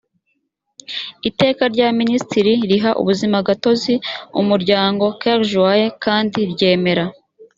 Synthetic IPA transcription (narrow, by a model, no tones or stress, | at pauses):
ite̞ːkaɾɟaministiɾiɾiɦaʔṵβuzimabɡato̞ziṵmuɾɟaːŋɡo̞kaɾʒwajekʰaːndiɾɟe̞ːme̞ɾa